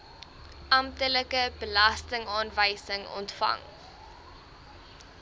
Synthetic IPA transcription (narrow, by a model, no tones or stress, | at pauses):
ʔɐmtələkəbəlɐstəŋɑːnvəjsəŋɔ̰ntfɐ̰ŋ